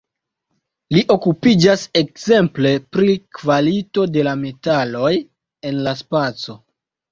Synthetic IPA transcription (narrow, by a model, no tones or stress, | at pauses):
liʔo̞kupid͡ʒase̞k̚ze̞mple̞pɾikvalito̞de̞lame̞talo̞j | e̞nlaspat͡so̞